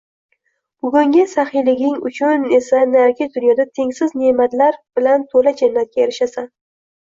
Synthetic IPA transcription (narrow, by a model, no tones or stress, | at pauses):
b̥ʊɡʲʊŋɡʲɪsaχɪjlɪɡʲɪŋʊ̰t͡ʃʰʊne̞sanaɾkʲɪzd̪ʊnjɒd̪at̪ʰe̞ŋsɪzne̞mat̪laɾb̥ɪlant̪ʰolad͡ʒanːat̪̚kʲaeɾɪʃasan